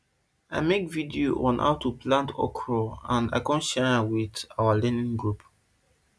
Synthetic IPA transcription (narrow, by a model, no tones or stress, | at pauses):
ajmekvidioʔɔ̃nʔa̰wtupʰlãntʰɔ̰kʰɹɔãna̰jkɔ̃nʃɛawidawəlɛ̃nĩŋɡɹup